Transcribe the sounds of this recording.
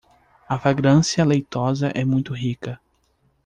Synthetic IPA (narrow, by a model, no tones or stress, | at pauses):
ɐflaɡɾɐ̃siɐlejt̪ɔzɐʔɛmũj̃t̪ʊɦikɐ